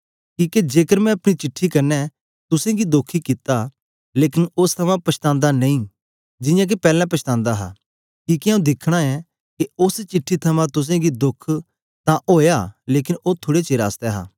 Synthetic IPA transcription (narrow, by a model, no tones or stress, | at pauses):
kiːked͡ʒeːkəɾmɛ̃ɐpɽ̃it͡ʃɪʈʰːikɐnːɛ | t̪ʊsẽɡid̪oːkʰːikɪt̪a | leːkɪnʊst̪ʰɐmãpɐʃt̪ãːnd̪anɐĩː | d͡ʒɪ̃jãk̬epɛːlãpɐʃt̪ãːnd̪aɦa̰ | kiːkeãũd̪ɪkʰɽ̃aɛ | keʊst͡ʃɪʈʰːit̪ʰɐmãt̪ʊs̬ẽɡid̪ʊkʰ | t̪ãʔoːjaleːkɪnoːt̪ʰʊːɽet͡ʃeɾa̰ːst̪ɛɦa̰ː